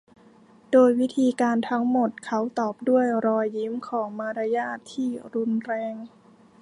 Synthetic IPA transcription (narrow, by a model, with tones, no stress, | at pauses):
doː˧jwi˦˥t̪ʰiː˧kaː˧nt̪ʰa˦˥ŋmo˨˩t̪̚kʰa˦˥wt̪ɔː˨˩p̚du˥˩əjɾɔː˧i˦˥mkʰɔː˩˦ŋmaː˧ɾa˧jaː˥˩t̪ʰːiː˥˩ɾu˧nɾɛː˧ŋ